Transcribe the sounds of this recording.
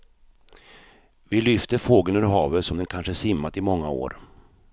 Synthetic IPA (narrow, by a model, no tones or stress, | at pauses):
vɪlʏft̪əfoːɡəlnɵːɾɦɑːvət̪sɔmd̪ɛnkʰanʂəæʂɪmːat̪ɪmɔŋːao̰ːɾ